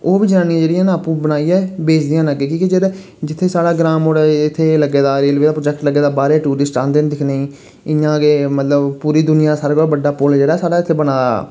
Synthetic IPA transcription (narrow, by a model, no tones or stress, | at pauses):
oːbiːd͡ʒaːnĩãd͡ʒeːɽiɛ̃ːnãːpũːbənaːiːɛːbeːt͡ʃd̪ijãːnəɡeːkĩːkid͡ʒeːɾeː | d͡ʒɪt̪ʰːeːsaːɽaːɡɾaːmoːɽɛɪt̪ʰːeːləɡːeːd̪aːɾeːlʋeːd̪aːpɾoːd͡ʒɛːk̚ʈləɡːeːd̪aːbaːɾeːʈuːɾɪsʈt͡ʃãːnd̪eːnd̪ɪkʰneĩː | ɪjãːkeːmət̪ləbpuːɾiːd̪ʊnɪjaːd̪saːɾɡobəɖaːpʊld͡ʒeːɽaːsaːɽaːɪt̪ʰːeːbənaːa̰ː